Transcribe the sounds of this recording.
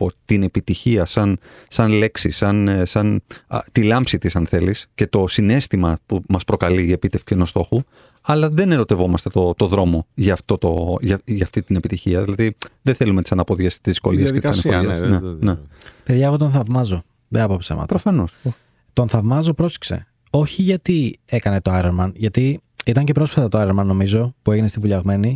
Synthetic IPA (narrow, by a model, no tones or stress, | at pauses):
po̞t̪ine̞pit̪içiɐsɐnsɐnle̞ksisɐnsɐnt̪ilɐmpsit̪isɐnθe̞lisce̞t̪o̞sine̞st̪imɐpumɐspɾo̞kɐliːe̞pit̪efksienost̪o̞xu | ɐlɐðe̞neɾo̞t̪e̞vo̞mɐst̪et̪o̞t̪o̞ðɾo̞mo̞ʝɐːft̪o̞t̪o̞ʝɐʝɐft̪it̪inepit̪içiɐðilɐðiðeθelumet̪i̥sɐnɐpo̞ðiɐst̪izðisko̞liɐsðetisɐɐisnnenepeðʝɐeɣo̞t̪o̞nθɐvmɐzo̞ | ðeɐpopsḛmɐ̰t̪pɾofɐno̞s | t̪o̞nθɐvmɐzo̞pɾosi̥kse̞̰ | o̞çiʝɐt̪ie̞kɐne̞t̪o̞ɐɾeɾmɐnʝɐt̪i | it̪ɐɲce̞pɾo̞sfɐt̪ɐt̪oɐɾeɾmɐnːo̞mizo̞pue̞ʝinest̪ivuʎɐɣme̞ni